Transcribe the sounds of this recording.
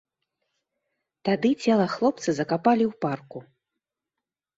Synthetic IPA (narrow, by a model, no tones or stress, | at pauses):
t̪ad̪ɨt͡sʲɛlˠɐxlˠɔp̚t̪sɨzɐkapalʲiwparku